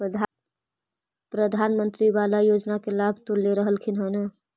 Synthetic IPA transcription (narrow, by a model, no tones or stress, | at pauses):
pəd̪ʱa | pɾəd̪ʱanmənt̪ɾiʋalajod͡ʒnakelabʱt̪uɾleɾəɦəlkʰinɦənə